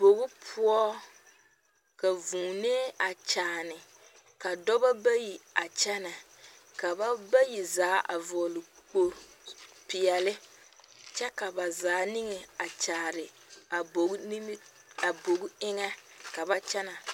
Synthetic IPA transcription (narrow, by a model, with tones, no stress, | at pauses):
b̥o˨ɣʊ˦pʰʊ˦ɔ˦ | ka˨vũː˨neː˦a˨t͡ʃaː˨nɪ˨ | ka˨dɔ˦ba˦ba˦ji˨a˨t͡ʃɛ˦na˨ | ka˨ba˦ba˦ji˨zaː˨˦ʔa̰˨vɔː˨lɪ˨k͡po˦ | pɪ˨ɛ˨lɪ˦ | t͡ʃɛ˦ka˨ba˨zaː˨˦nɪ˦ŋɛ˨a˨t͡ʃaː˨ɾɪ˨ | a˨bo˨˦ni˦m˦ | a˨bo˨ɡɪ˦ŋɛ˦ | ka˨ba˦t͡ʃɛ˦na˨